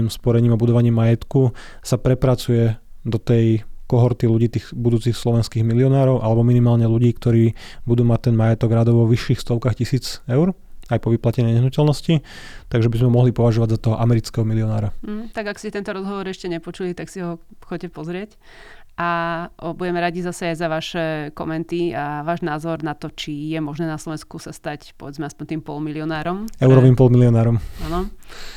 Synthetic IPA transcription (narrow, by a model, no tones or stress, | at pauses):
imspɔɾɛɲiːmabud̪ɔʋaɲiːmːajɛt̪ku | sapɾɛpɾat͡sujɛd̪ɔt̪ɛjkɔɦɔɾt̪iluɟiːt̪iːxbud̪uːt͡siːxslɔʋɛnskiːɣmiliɔnaːɾɔʊʔalɛbɔminimaːlɲɛluɟiːkt̪ɔɾiːbud̪uːmac̚t̪ɛnmajɛt̪ɔɡɾad̪ɔʊʋɔʋiʃːiːxst̪ɔʊkaːxcisiːd͡zɛʊɾ | ajpɔʋiplacɛɲɛɲɛɦnucɛlnɔscit̪aɡʒɛbizmɛɔmɔɦlipɔʋaʒɔʋaɟzat̪ɔɦɔʔamɛɾit͡skɛɦɔmiliɔnaːɾam̩ɦ̩t̪aɡakscɛt̪ɛnt̪ɔɾɔzɦɔʋɔɾɛʃcɛɲɛpɔt͡ʃulit̪aksiɦɔ | xɔcɛpɔzɾɪɛc | ʔabuɟɛmɛɾaɟizasɛajzaʋaʃɛkɔ̰mɛnt̪iaʋaːʒnaːzɔɾnat̪ɔt͡ʃijɛmɔʒnɛːnaslˠɔʋɛnskusast̪acpɔ̰ʋɛd͡zmɛaspɔɲt̪iːmpɔlmiliɔnaːɾɔmɛʊɾɔʋimpɔlmiliɔnaːɾɔmanɔ